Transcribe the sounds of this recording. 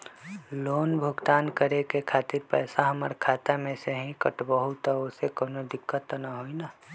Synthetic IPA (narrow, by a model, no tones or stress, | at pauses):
loːnbʱʊɡt̪aːnkəɾekekʰaːt̪ɪɾpɛːsaɦəməɾkʰaːt̪amẽseɦĩkəʈbəɦut̪aosekoːnod̪ɪkːət̪naɦoinaː